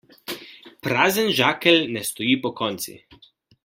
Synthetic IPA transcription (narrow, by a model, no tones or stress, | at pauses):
pɾaːzənʒaːkɛlnɛst̪ɔjiːpɔkɔnt̪sḭ